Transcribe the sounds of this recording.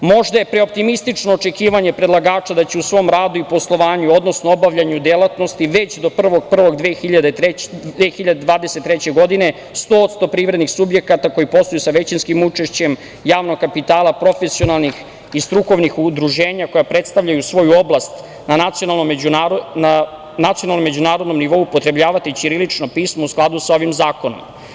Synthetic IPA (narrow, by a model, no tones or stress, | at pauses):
mo̞ʒd̪aje̞pɾeo̞p̚t̪imist̪it͡ʂnoːt͡ʃe̞kiːʋaɲepɾed̪lˠaɡaːt͡ʃad̪at͡ɕeusʋo̞mɾaːd̪uipo̞slˠo̞ʋaːɲuo̞d̪no̞snoobaʋʎaɲud̪elˠat̪no̞st̪iʋe̞t͡ɕd̪o̞pr̩ʋoɡpr̩ʋo̞ɡd̪ʋexiʎad̪eexiʎad̪ed̪ʋaːd̪e̞set̪ːɾet͡ɕeɡo̞d̪ine̞ | st̪o̞ːot̪st̪o̞pɾiːʋɾe̞d̪nixsubje̞kat̪ako̞jipo̞st̪ojusaʋe̞t͡ɕinskimut͡ʂe̞ʃt͡ɕe̞m | jaːʋnoɡkapit̪aːlˠapɾo̞fesio̞nalˠnix | ist̪ɾuko̞ʋnixud̪ɾuʒe̞ːɲako̞japɾet̪st̪aʋʎajusʋo̞juoblˠast̪ | nanat̪sio̞nalˠnomuana | nat̪sionalnome̞d͡ʑunaːɾod̪no̞mniʋo̞uːpot̪ɾe̞bʎaːʋat̪it͡ɕiɾilit͡ʂno̞piːsmousklˠad̪usao̞ʋimzaːko̞no̞̰m